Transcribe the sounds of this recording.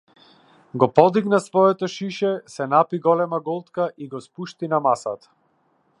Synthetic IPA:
ɡɔpɔd̪iɡnasvɔɛt̪ɔʃiʃɛsɛnapiɡɔlɛmaɡɔlˠt̪kaʔiɡɔspuʃt̪inamasat̪ḁ

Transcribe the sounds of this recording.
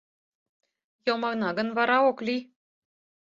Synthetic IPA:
jomɑɣnɑɡɤ̆nvɑɾɑokli

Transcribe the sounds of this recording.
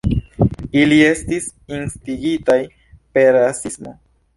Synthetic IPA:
ilie̞stis | instiɡitaj | pe̞ɾasismo̞̰

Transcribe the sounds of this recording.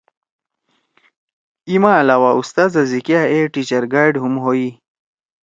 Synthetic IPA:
imãːlaːwaust̪aːzazikjaeʈit͡ɕɐɾɡaːɖɦumɦoi

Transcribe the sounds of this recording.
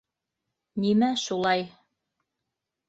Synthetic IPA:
nimæʃulˠɑj

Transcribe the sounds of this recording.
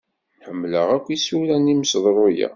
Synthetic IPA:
ħəmːləʁækʷːisuɾænimsðˤɾˤojæ̰

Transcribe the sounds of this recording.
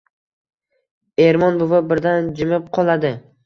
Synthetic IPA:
eɾmɒnbʊvabɪɾd̪and͡ʒɪmɪp̚qʰɒlˠad̪ɪ

